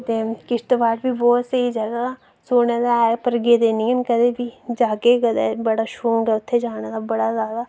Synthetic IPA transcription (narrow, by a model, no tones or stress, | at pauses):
t̪ekɪʃt̪əbaːʈbʱiːbɔːt̪səid͡ʒɐɡa | soːneːd̪aepəɾɡed̪eːniɛnkəd̪ebʱiːd͡ʒaːkekəd̪ɛ̰ːbəɽaːʃoːŋɡɛʊt̪ʰːed͡ʒaːneːd̪abɐɽazaːd̪aː